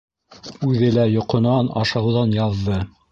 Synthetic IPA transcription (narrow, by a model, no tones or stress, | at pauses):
ʉðɘlæjŏqŏnɑnɑ̰ʃɑwðɑnjɑðːɤ